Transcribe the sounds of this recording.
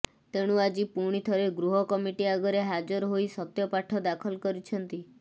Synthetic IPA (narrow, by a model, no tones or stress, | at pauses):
t̪eɽ̃uad͡ʒipuɽ̃it̪ʰɔɾeɡɾuɦɔkɔmiʈiaɡɔɾeɦad͡ʒɔɾɔɦojsɔt̪jɔpaʈʰɔd̪akʰɔlkɔɾit͡ʃʰɔnt̪i